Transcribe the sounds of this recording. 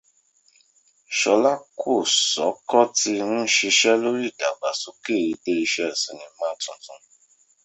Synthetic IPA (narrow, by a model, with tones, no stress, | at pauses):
ʃɔ˧la˦kʰo˦˨sɔ˨˦kɔ˦ti˧nũ˦ʃi˧ʃɛ˦lo˦ɾi˦˨da˨ɡ͡ba˨su˨˦ke˦˨ɾi˨˧be˦i˧ʃɛ˦˨sĩ˧˨nĩ˧mãː˦tũ˧tũ˧